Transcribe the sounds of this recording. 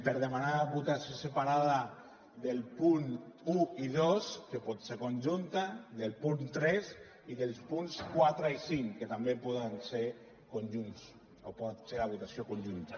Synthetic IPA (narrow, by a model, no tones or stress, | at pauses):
peɾðemanaβut̪asjosepaɾað̞a | ðelpunuiðoskepɔt̪seɾkonʲʒunt̪aðelpunt̪ɾɛs | iðelˠspunskwat̪ɾaisiŋket̪ambepɔðanseɾ | konʲʒuns | opɔt̪selaβut̪asjokonʲʒunt̪a